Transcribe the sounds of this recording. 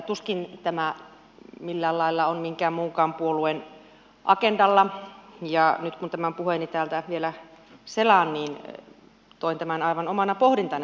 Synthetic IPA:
t̪uskint̪æmæ | milːæːllɑilːɑonmiŋkæːmmuːŋkɑːmpuoluen | ʔɑkendɑlːɑjɑnyt̪kunt̪æmæmpuhenit̪æːlt̪æʋielæ | selɑnniːn | t̪oint̪æmænɑiʋɑnomɑnɑpohɾint̪ɑn

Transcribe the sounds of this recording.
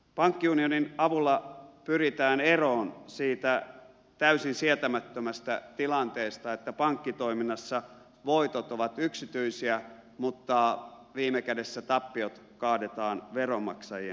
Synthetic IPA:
pɑŋkːiunioninɑʋulːɑpyrit̪æːneroːnsiːt̪æ | t̪æysinsiet̪æmæt̪ːømæst̪æ̰t̪ilɑnt̪eːst̪ɑet̪ːæpɑŋkːit̪o̞iminːɑsːɑ | ʋoit̪ot̪oʋɑt̪yksit̪yisiæ | mut̪ːɑ | ʋiːmekædesːæt̪ɑpːiot̪ | kɑːdet̪ɑːnʋeromɑ̰ksɑjiḛn

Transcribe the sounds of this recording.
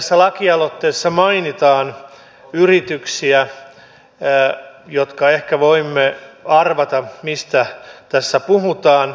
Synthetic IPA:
sːælɑkiɑlot̪ːeːsːɑmɑinit̪ɑːn | yrit̪yksiæ | jot̪kɑehkæʋoimːeɑrʋɑt̪ɑmist̪æt̪æsːæpuɦut̪ɑːn

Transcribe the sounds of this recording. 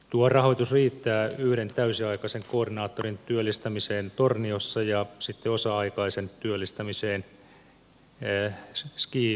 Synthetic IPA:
t̪uɑrɑhoit̪usriːt̪ːæːyhɾent̪æysiɑikɑseŋkoːrdinɑːt̪ːorint̪yølːˑist̪ɑmiseːnt̪orniosːɑjɑsit̪ːeosɑɑikɑisent̪yølːist̪ɑmiseːn | skiː

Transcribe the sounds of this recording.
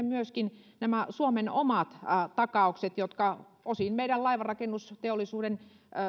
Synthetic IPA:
myøskin | næmæsuomenomɑt̪t̪ɑkɑˑukset̪jot̪kɑ | osinmeiɾællɑiʋɑrɑkenːust̪eolːˑisuːden

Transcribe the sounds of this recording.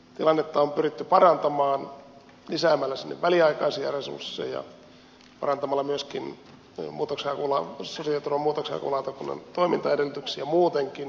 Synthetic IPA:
t̪ilɑnːet̪ːɑompyrit̪ːypɑrɑnt̪ɑmɑːn | lisæːmːælːæsinːḛʋʋæliɑikɑisiɑ̰resṵrsːḛjjɑ̰ | pɑ̰rɑnt̪ɑmɑlːɑmyøskin | muːt̪okseɑkulɑsosiɑt̪urʋɑmuːt̪oksejɑ̰kṵlɑt̪ɑkunːḛnt̪oimint̪ɑedelːyt̪yksiæmuːt̪eŋkin

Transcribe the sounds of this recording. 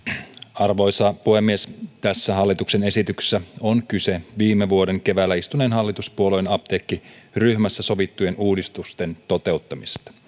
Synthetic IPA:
ɑrʋo̞jsɑpuhe̞mːiest̪æsːæɦɑlːit̪ukse̞ne̞sit̪ykssːæonkyse̞ʋiːmːeʋuo̞de̞ŋke̞ʋælːæist̪uneːnɦɑlːit̪uspuolojnɑpt̪ekːiryçmæsːæso̞ʋit̪ːuje̞nʔuːdist̪ust̪e̞nt̪o̞t̪e̞ut̪ːɑmist̪ɑ̥

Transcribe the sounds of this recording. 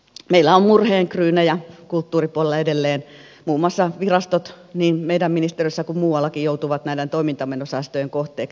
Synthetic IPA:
meilːæommurheːŋkryːnæjɑkult̪ːuːripuolelːɑedelːeːn | muːmuɑsːɑʋirɑst̪ot̪ | niːnmeidæmminist̪eriøsːɑkummuːwɑlːɑkijjout̪uʋɑt̪næident̪oimint̪ɑmːenosɑˑst̪øjeŋkoht̪ˑeːk

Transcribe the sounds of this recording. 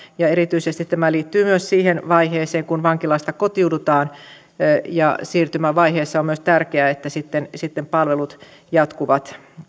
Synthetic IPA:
jɑeɾit̪yisest̪it̪t̪æmæliːt̪ːyːmyøssiːhenʋɑiheːseːŋkunʋɑŋkilɑst̪ɑkot̪iudut̪ɑːn | jɑsiːrt̪ymæʋɑiheːsːɑommyøst̪ærkeæet̪ːæsit̪ːensit̪ːempɑlʋelut̪ | jɑt̪kuʋɑt̪

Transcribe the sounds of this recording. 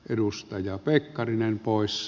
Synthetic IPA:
ʔedust̪ɑjɑpekːɑrinempoˑes

